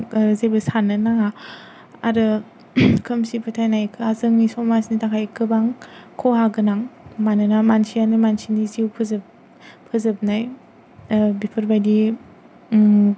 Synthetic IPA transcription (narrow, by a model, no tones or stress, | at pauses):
zebɯsanɯnaa | aɾɯ | kʰɯmsipʰɯtʰajnajkʰɯazɯŋnisɔmasnitakʰajkʰɯbaŋkʰɔɦaɡɯnaŋmanɯnamansianɯmansiniziwpʰɯzɯ | pʰɯzɯp̚naj | bipʰɯɾbajdi